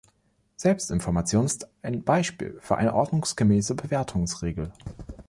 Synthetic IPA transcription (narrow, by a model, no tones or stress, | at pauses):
z̥ɛlpstɪnfɔɐmat͡sjoːnɪstʔaɪnb̥aɪʃpḭːlfyːɐʔa̰ɪnəʔɔɐdnʊŋsɡ̥əmɛːsəbəveːɐtʰʊŋsʁ̥eːɡl̩